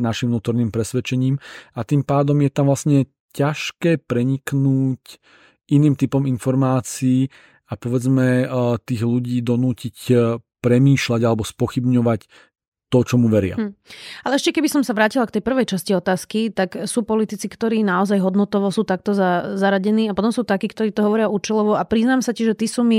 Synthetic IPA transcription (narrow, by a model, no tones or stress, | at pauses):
naʃimnuːt̪ɔɾniːmpɾɛsʋɛt͡ʃɛɲiːmat̪impaːd̪ɔmjɛt̪amʋlasɲɛ | caʃkɛːpɾɛɲiknuːc | ʔiniːmt̪ipɔminfɔɾmaːt͡siiː | apɔʋɛd͡zmɛt̪iːɣluɟiːd̪ɔnuːcicpɾɛmiːʃlaɟalɛbɔspɔxibɲɔʋac | t̪ɔt͡ʃɔmuʋɛɾɪa̰alɛɛʃcɛkɛbisɔmsaʋɾaːcilakt̪ɛjpr̩ʋɛjt͡ʃasciɔt̪aːskit̪aksuːpɔlit̪it͡sikt̪ɔɾiːnaɔzajɦɔd̪nɔt̪ɔʋɔsuːt̪ak̚t̪ɔzazaɾaɟɛniːapɔt̪ɔmsuːt̪akiːkt̪ɔɾiːt̪ɔɦɔʋɔɾɪaʔuːt͡ʃɛlɔʋɔʔapɾiznaːmsaciʒɛt̪isuːmi